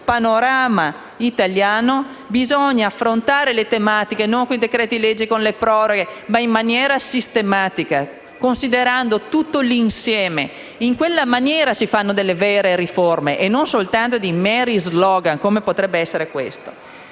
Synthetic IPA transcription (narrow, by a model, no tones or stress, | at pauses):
panoɾaːma | it̪aljaːno | bizɔɲːaːfːɾont̪aːɾelet̪emat̪ikenoŋkõnid̪ekɾɛːt̪iled͡ʒːikonlepɾɔːɾoɡemaimːanjɛːɾasist̪emaːt̪ika | konsid̪eɾand̪ot̪ut̪ːolinsjɛːme | iŋkwelːamanjɛːɾasifanːod̪elːevɛːɾeɾiformeʔenːonsolt̪ant̪od̪imɛɾizlɔːɡankomepot̪ɾɛbːeɛsːeɾekwḛst̪o̥